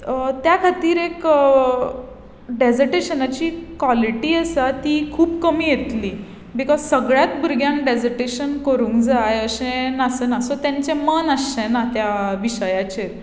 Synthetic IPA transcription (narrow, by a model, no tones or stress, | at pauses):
t̪jakʰat̪iːɾek | ɖed͡zəɾʈeɕənat͡ɕiːkʋaliʈiːəsat̪iːkʰuːbkəmiːjet̪liː | bikɔzsəɡɭjat̪bʱuɾɡjãŋkɖed͡zəɾʈeɕənkəɾũːŋkd͡zajəɕẽnasənasot̪jãɲt͡ɕemənəsːẽnat̪jaʋiɕəjat͡ɕe